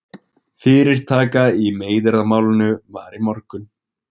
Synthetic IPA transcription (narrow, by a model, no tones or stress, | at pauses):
fɪːɾɪɾ̥t̪ʰaːkaimeːjðɪɾðamaːwlʏnʏvaːɾimɔɾkʏn